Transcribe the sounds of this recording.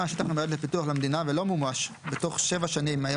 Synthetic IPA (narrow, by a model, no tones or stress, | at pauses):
aʃet̪aχemed̪lepituaχlamed̪inavelo̞mumaʃ | bet̪o̞χʃe̞vaʃanimajo